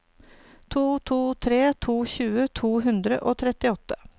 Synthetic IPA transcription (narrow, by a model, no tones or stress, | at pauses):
t̪ʰuːt̪ʰuːt̪ʰɾeːt̪ʰuːçʉːət̪ʰuːɦʉnd̪ɾə̰ʔoːt̪ʰɾɛt̪ɪɔt̪ːə̥